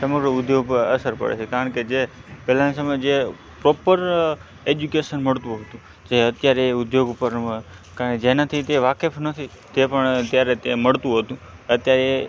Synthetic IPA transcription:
səməɡɾəʊd̪joɡpəɾə̰səɾpə̰ɽḛt͡ʃʰekaɾəɳked͡ʒepɛlanisəməjd͡ʒe | pɾopəɾ | ed͡ʒukeʃənməɭt̪ũɦət̪ũ | d͡ʒeət̪jaɾeʊd̪joɡupəɾkaɾəɳked͡ʒenat̪ʰit̪eʋakefnət̪ʰi | t̪epəɳt̪jaɾet̪eməɭt̪ũɦət̪ũət̪jaɾe

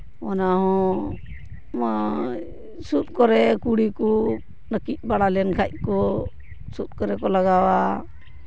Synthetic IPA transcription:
ɔnaɦɔ̃ | ma | sut̪̚kɔɾɛkuɽiku | nəkic̚ˀbaɽalɛnkʰac̚kɔ | sut̪̚kɔɾɛkɔlaɡawa

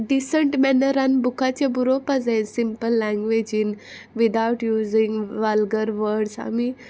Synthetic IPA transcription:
ɖisəɳʈmɛnəɾãnbukʰat͡ɕebuɾopazẽnsimpəlːɛ̃ŋɡʋed͡ʒin | ʋid̪awʈjuːzĩŋɡʋalɡəɾʋəɾɖsa̰mi

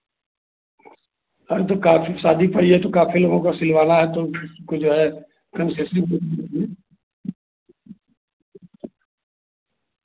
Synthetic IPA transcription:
ɐɾt̪okaːfʰisaːd̪ʱipɐɽ̤iɦɛt̪okaːfʰiloːɡõkasɪlʋaːlaɦɛt̪opʰɪɾkod͡ʒoːɦɛ | kɐnseːsĩkot̪t̪iɛ

